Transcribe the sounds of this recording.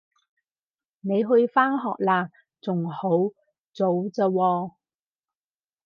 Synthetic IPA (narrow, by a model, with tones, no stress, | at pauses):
ne˨˧jɦɵ˧ɥfaː˥nɦɔ̰ː˨k̚laː˧˩ | t͡sʊ˨ŋho˨˥w | t͡so˨˥wt͡sə˧wɔː˧